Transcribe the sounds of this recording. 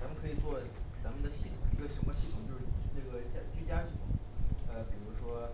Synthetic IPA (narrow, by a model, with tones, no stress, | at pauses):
a˧˥mə˨˧kʰɤ˧˥i˨˩t͡swɔ˥˩ | t͡sa˧˥mə˧nd̪ə˨ɕi˥˩t̪ʰʊ˨˩ŋi˧˥ɡə˧ɕə˧˥ŋkɔ˥˧ɕi˥˩ʊ˨˩ŋt͡ɕo˥˧ʊʂɻ̩˥˧ʈ͡ʂɤ˥˩ɡə˩t͡ɕa˥t͡ɕy˥˧t͡ɕja˥ɕi˥˩t̪ʰʊ˨˩ŋə˧pi˨˩ɻu˧˥ʂwɔ˥